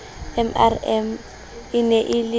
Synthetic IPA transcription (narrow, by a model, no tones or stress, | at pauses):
ɛmɛ̰rɛm | ɪnɛʔɪlɪ